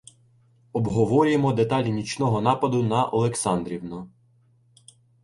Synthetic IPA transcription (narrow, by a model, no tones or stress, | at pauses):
ɔbɦɔʋɔɾʲijemɔd̪et̪ɑlʲinʲit͡ʃnɔɦɔnɑpɐd̪ʊnɐʔɔlˠeksɑnd̪ɾʲiwnɔ